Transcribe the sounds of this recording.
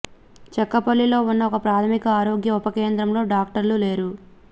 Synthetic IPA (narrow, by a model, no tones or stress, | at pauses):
t͡ʃɛkːɐpɐlːilo̞ːunːɐɔkɐpɾaːt̪ʰɐmikɐaːɾo̞ːɡjɐupɐke̞ːnd̪ɾɐmlo̞ːɖaːk̚ʈɐɾlule̞ːɾu